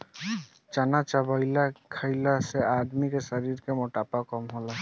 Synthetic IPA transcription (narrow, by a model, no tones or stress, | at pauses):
t͡ʃanat͡ʃabajlakʰajlaseʔad̪mikeʃaɾiɾkemoʈapakɔmɦola